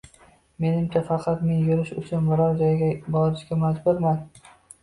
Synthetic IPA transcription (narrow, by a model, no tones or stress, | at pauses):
me̞nɪmt͡ʃʰafɑqʰɑt̪me̞njʊɾɪʃʊ̰t͡ʃʰʊnmʊɾaɾd͡ʒɒjɡʲabɒɾɪʃkʲamad͡ʒbʊɾman